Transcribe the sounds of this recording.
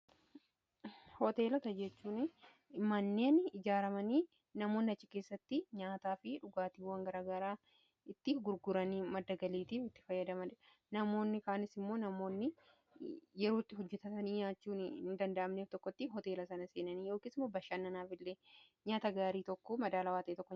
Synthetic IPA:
hɔt̪e̞ːlɐt̪ɐd͡ʒɛt͡ʃːuːnɪ | mɐnːe̞ːnɪd͡ʒaːɾɐmɐniː | nɐmoːnːɪɐt͡ʃːɪke̞ːsːɐt̪ːɪɲaːt̪aːfɪᶑʊɡaːt̪iːwːɐŋɡɐɾaːɡɐɾaː | ɪt̪ːɪɡʊɾɡʊɾɐniːmɐd̪ːɐɡɐliːt̪iːfɪt̪ːɪ̥fɐjːɐd̪ɐmɐn | nɐmo̞ːnːɪkaːnɪsɪmːo̞ːnɐmo̞ːnːɪ | jɛɾoːt̪ːɪɦɔd͡ʒːɛt̪ɐt̪ɐniːɲaːt͡ʃːuːnɪnd̪ɐnd̪ɐʔɐmneːft̪ɔkːɔt̪ːɪɦɔt̪e̞ːlɐsɐnɐse̞ːnɐniːjo̞ːkiːsɪmːoːbɐʃːɐnːɐnaːfɪlːe̞ː | ɲaːt̪ɐɡaːɾiːt̪ɔkːɔmɐd̪aːlɐwaːt̪ɐʔːt̪ɔkːɔ

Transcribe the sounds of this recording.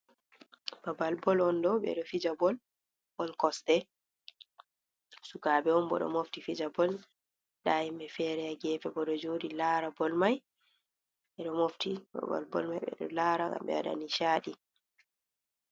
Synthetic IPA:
babalbɔlɔndɔɓɛ̰ɗɔfid͡ʒabɔl | bɔlkɔstɛ | sukaːbɛɔnbɔ̰ɗɔ̰moftifid͡ʒabɔl | ɗajimbɛfɛːɾɛaɡɛːfɛbɔɗɔd͡ʒodilaːɾabɔlmaj | ɓɛɗɔmoftiba̰ba̰lbɔ̰lmajɓɛ̰ɗɔ̰laːɾaɡa̰mbɛ̰a̰ɗa̰niʃaːɗi

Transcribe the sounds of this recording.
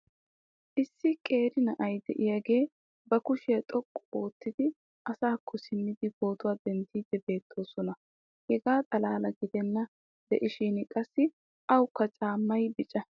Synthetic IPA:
ʔɪsːɪkʼe̞ːɾɪnɐʔɐjd̪ɛ̰ʔɪjaɡe̞ː | bɐkʊʃɪjɐt̪ʼɔkʼːɔʔoːt̪ːɪd̪ɪ | ʔɐsaːkʰːɔsɪmːɪd̪ɪɡo̞ːt̪ʊwaːd̪ɛnt̪ːiːd̪ɛbe̞ːt̪ʰːo̞ːsɔnɐ | hɛɡaːt̪ʼɐlaːlɐɡɪd̪ɛnːɐ | d̪ɛ̰ʔɪʃinkʼɐsːɪ | ʔɐwkːɐt͡ʃʼaːmːɐjbɪt͡ʃʼɐ

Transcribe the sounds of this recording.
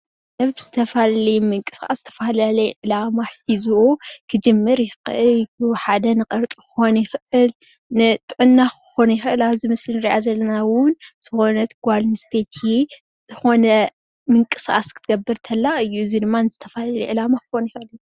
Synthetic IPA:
dɐβbz̥ɨt̪ʰɐfalɐlɐjmɨŋkʼɨ̥sʔʼa̰szɨt̪ʰɐ̥falalɐjʕɨlamaħizuokʰɨd͡ʒɨmːɨɾjɪxʔɨluħad̪ɐnɨqʼɐɾt̪ʼukɨ̥xo̞njɪxʔɨl | nɨt̪ʼɨʕɨnːakɨ̥xo̞nɐjɪxɨʔɨlaβzimɨslinɨɾiʔazɐlːɐnawʊnz̥ɨxo̞nɐt̪ɡʷalnɨst̪ʰet̪ʰi | z̥ɨxo̞nɐ | mɨŋkʼɨsʔʼa̰skʰɨ̥t̪ʰɡɐbːɨɾt̪ʰɐlːaɨjːuzid̪ɨmːanɨzɨt̪ʰɐfalalɐʕɨlamaxɨxonjxʔɨl

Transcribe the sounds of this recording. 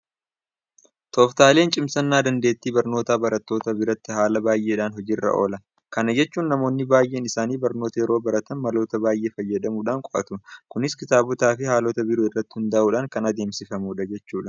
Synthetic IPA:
t̪ʰoːft̪aːle̞ːnt͡ʃʼɪmsɐnːaːd̪ɐnd̪e̞ːt̪ːiːbɐɾno̞ːt̪aːbɐɾɐt̪ːo̞ːt̪ɐbɪɾɐt̪ːɪhaːlɐbaːjʔeːᶑaːnɦɔd͡ʒiːrːɐ̰ʔo̞ːlɐ | kɐnɐd͡ʒɛt͡ʃːuːnːɐmo̞ːnːɪbaːjʔe̞ːnɪsaːniːbɐɾno̞ːt̪ɐjɛɾo̞ːbɐɾɐt̪ɐnmɐlo̞ːt̪ɐbaːjʔe̞ːfɐjːɛᶑɐmuːᶑaːŋkʼɔʔɐ̰t̪ʊkʊnɪskɪt̪aːbʊt̪aːfɪhaːloːt̪ɐbɪɾoɪrːɐt̪ːɪ̥hʊnd̪ɐʔuːᶑɐŋkɐnɐd̪e̞ːmsɪfɐmuːᶑɐd͡ʒɛt͡ʃːuːᶑɐ̥

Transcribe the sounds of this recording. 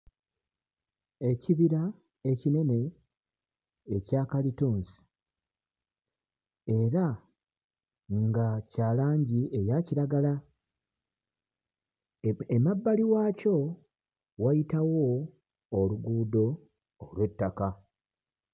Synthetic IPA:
e̞ciβiɾa | e̞cine̞ne̞ | ecaːkalituːnsi̥ | e̞ɾa | ŋɡacaːlaːɲɟiʔe̞jaciɾaɡala | emabːaliwaːco̞ | wajitawoː | luɡuːdo̞ː | lwe̞tːaka

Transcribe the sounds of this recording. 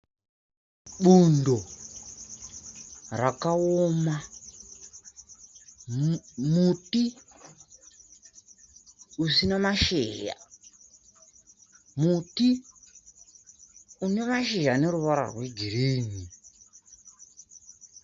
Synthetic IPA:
ɓundo | rakaoma | muti | usinamaʃeːja̰ | muti | une̞maʃeʒane̞ɾuʋaɾa̰rwe̞ɡʱireːni

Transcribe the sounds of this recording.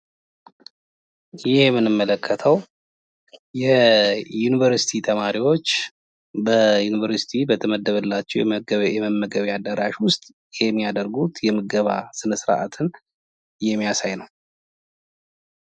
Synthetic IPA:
jɪhjɛmːɨnɨmːələkʰːət̪ʰəw | jɛjunivəɾsi̥t̪ʰit̪ʰəmaɾiwo̞t͡ʃː | bəjunivəɾsi̥t̪ʰibət̪ʰəməd̪ːəβəlːat͡ʃːɛɛjɛməmːəɡəβiad̪ːəɾaʃwʊst̪ʼ | jɛmːijad̪əɾɡut̪jɛmɨɡəβa̰sɨnəsɾa̰ʔa̰t̪ʰɨn | jɛmːijasajnəw

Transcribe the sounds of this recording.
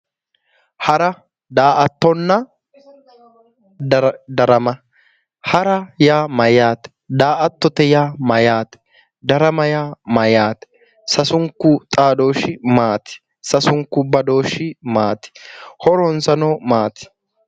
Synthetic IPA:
hɐɾɐ | d̪aːʔɐt̪ːɔnːɐ | d̪ɐɾɐmɐ | hɐɾɐjaːmɐjaːt̪ɛ̥ | d̪aːʔɐt̪ːɔt̪ɛjaːmɐjaːt̪ɛ̥ | d̪ɐɾɐmɐjaːmɐjaːt̪ɛ̥ | sɐsʊŋkːʊt̪ʼaːd̪o̞ːʃɪmaːt̪ɪ̥ | sɐsʊŋkːʊbɐd̪o̞ːʃɪmaːt̪ɪ̥hɔɾɔnsɐnoːmaːt̪ɪ̥

